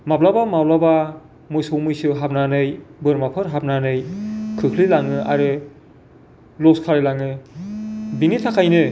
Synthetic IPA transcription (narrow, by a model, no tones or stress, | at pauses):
mablabamablaba | mujsowmɯjsɯɦapnanɯjbɯɾmapʰɯɾɦap̚nanɯjkʰɯkʰlilaŋɯʔa̰ɾɯ | lɔskʰaɾilaŋɯ | binitʰakʰajnɯ